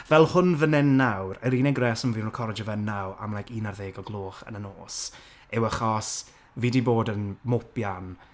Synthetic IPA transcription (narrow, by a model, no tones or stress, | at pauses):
vɛlˠhʊnvənɛnːawrəɾiːnɛɡrɛsɔnviːnrɔkʰɔɾɛd͡ʒɔvənːawa̰mlajkiːnarðeːɡɔɡlˠoːχə̰nənoːs | ɛwəχɔs | vidiboːdənmʊpjan